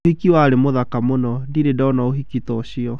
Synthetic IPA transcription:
hikiwaːɾemoðakamonɔdiɾedaɔnaoɦikitɔɕiɔ

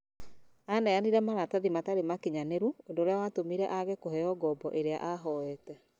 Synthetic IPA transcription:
anɛaniɾɛmaɾataðimataɾemakeɲaneɾuondoːɾeawatomiɾɛ̰ʔaɣekoɦɛjɔɡɔbɔʔeɾea̰ʔaɦɔɛtɛ

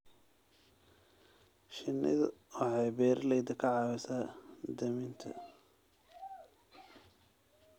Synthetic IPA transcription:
ʃɪnːɪ̰ðɐɑʕɑjbɛːrlɛjd̪ɐkʰɐʕɑːwɛsaːd̪ɐmɪnt̪ʰɐ̰

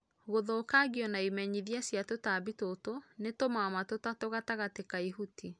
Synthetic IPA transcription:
ɣoðoːkaɡjɔnaimɛɲiðiasjatotabitotonetomamatotatoɣataɣatekaiɦutʰi

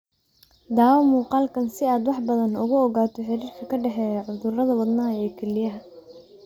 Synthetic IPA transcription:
d̪aːwmuːqɑːlkʰɐnsɪaːd̪wɑħbɐðɐnʊɣʊɔɣaːt̪ʰɔħɪɾiːrkʰɐkʰɐɖɛħɛːjɐʕʊðʊrɐðɐwɐd̪naːɛːkʰɛlɪjɐɦɐ

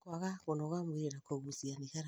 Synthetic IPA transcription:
kwaɣaɣɔnɔɣamweeɾakoɣusianiɣaɾa

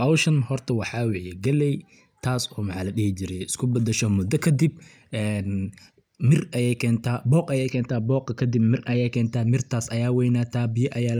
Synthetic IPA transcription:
ʔɐwʃɐnhɔrt̪ʰɐwɑħɑːwɪħjɛɡɛlɛj | t̪ʰaːsɔːmɑħɑlɐɗɪhɪt͡ʃɪɾɛjɪskʰʊbɐd̪ɛʃɔmʊd̪ɐkʰɐd̪ib | ʔɛːn | mɪrʔɐjɛjkʰɛːnt̪ʰaːbɔːqɐjɛjkʰɛːnt̪ʰaːbɔːqɐkʰɐd̪ɪbmɪrʔɐjɛjkʰɛːnt̪ʰaːmɪrt̪ʰaːsɐjaːwɛjnaːt̪ʰaːbɪjɐʔɐjaː

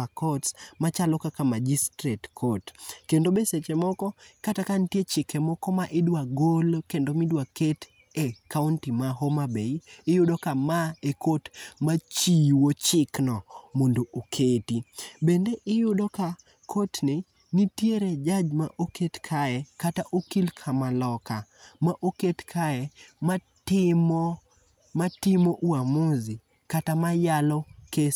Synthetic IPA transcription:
kɔtsmat͡ʃalɔkakamad͡ʒistɾetkʰotkendobeset͡ʃemɔkɔkatakantjet͡ʃɪkɛmɔkɔmaʔɪdwaɡolkendomɪdwaket | ekaʊntimaɦomabeiɪjʊdokamaekotmat͡ʃiwot͡ʃɪknɔmondoʔokʰetibendeʔɪjʊdoka | kʰotnɪ | nitjeɾed͡ʒad͡ʒmaʔoketkʰaɛkataʔokilkʰamalɔka | maʔoketkʰaɛma | tɪmɔ | matɪmoʔwamozi | katamajalɔke

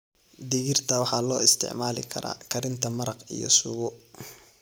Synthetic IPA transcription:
d̪ɪɣɪrt̪ʰɐwɑħɑːlɔːɪst̪ʰɪ̰ʕmaːlɪ̰kʰɐ̰ɾa̰ːkʰɐɾɪnt̪ʰɐmɐɾɐqḭjɔ̰sʊɣʊ

